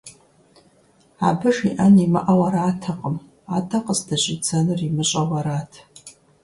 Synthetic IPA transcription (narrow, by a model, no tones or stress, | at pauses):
abɨʂiʔanimɨ̰ʔawaɾaːtʰaqʼəm | atʰaqʼəzdaʒʷʼɪt͡sʰanɨrimɨɕʼawaɾatʰ